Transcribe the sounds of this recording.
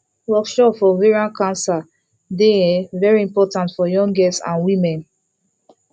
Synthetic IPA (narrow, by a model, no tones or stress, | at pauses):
wɔkʃɔpfɔviɹiãnkʰãnsa | deɛvɛɹiĩmpɔtãntfɔjɔ̃ŋɡɛstsã̰nwimɛ̃n